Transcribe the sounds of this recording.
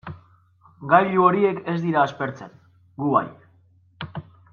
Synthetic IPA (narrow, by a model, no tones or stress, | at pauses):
ɡajʎuo̞ɾie̞ke̞zd̪iɾaːspe̞ɾt͡se̞̰n | ɡuβa̰j